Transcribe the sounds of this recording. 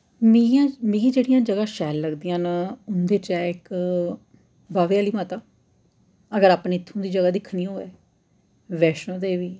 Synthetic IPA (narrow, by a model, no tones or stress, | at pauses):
mijãːmiɡiːd͡ʒeːɽijãːd͡ʒəɡãːʃɛːlːəɡd̪iːjãːnaʊnd̪eːt͡ʃɛːɪk | baːʋeːaːliːmaːt̪aː | əɡəɾaːpneːɪt̪ʰːõːd̪iːd͡ʒəɡaːd̪ɪkʰːnĩːoːɛː | ʋɛːʃõːd̪eːʋiː